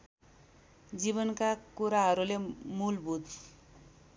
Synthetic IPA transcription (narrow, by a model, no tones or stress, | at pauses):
d͡ziβʌnkakuɾaɦʌɾulemulbʱud̪